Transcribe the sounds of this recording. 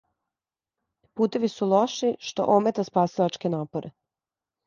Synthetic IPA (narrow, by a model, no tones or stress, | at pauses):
puːt̪e̞ʋisulˠoʃiʃt̪o̞̰ʔomet̪aspaːsilat͡ʃkenaːpoɾʔe